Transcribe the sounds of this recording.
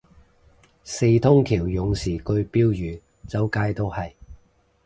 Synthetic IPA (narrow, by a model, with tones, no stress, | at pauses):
se˧jt̪ʰʊ˥ŋkʰiː˨˩wjʊ˨ŋsiː˨˩kɵ˧ɥpiː˥wjyː˨˧ | t͡sɐ˨˥wkaː˧jt̪o˥whɐ˨j